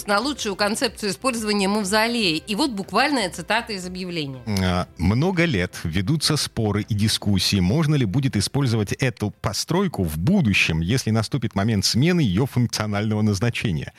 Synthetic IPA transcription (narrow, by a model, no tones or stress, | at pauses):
nɐlˠutʂʊjʊkɐnt̪sɛp̚t̪sɨjʊɪspo̞lʲzəvənʲɪjəməvzɐlʲeɪʔivo̞t̪̚bʊkvalʲnəjət̪sɨt̪at̪əɪzəbjɪvlʲenʲɪjəamno̞ɡəlʲet̪vʲɪd̪ut̪sːəspo̞ɾɨʔidʲɪskusʲːiːmo̞ʐnəlʲɪbudʲɪt̪ɪspo̞lʲzəvətʲɛt̪ʊpɐst̪ɾo̞jkʊvbud̪ʊɕːɪmjesʲlʲɪnɐst̪upʲɪt̪mɐmʲe̞nt̪smʲe̞nɨjɪjo̞fʊnk̚t̪sɨɐnalʲnəvənəznɐt͡ɕenʲɪ̰jə̰